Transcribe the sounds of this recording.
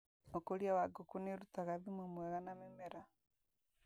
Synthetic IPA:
nokoɾjawaɡokuneɾutaɣaðimwemweɣanamemeɾa

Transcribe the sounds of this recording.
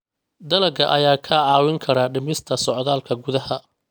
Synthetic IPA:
d̪ɐlɐɡɐʔɐjaːkʰɐʕɑːwɪŋkʰɐɾaːɖɪmɪst̪ʰɐsɔʕðaːlkʰɐɡʊðɐɦɐ

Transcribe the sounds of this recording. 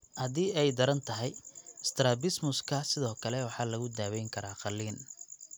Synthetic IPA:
hɐðiːɛjd̪ɐɾɐnt̪ʰɐɦɛjɪst̪ʰɾabɪsmʊskʰɐsɪðɔːkʰɐlɛwɑħɑːlɐɣʊd̪aːwɛjŋkʰɐɾaːqɑliːn

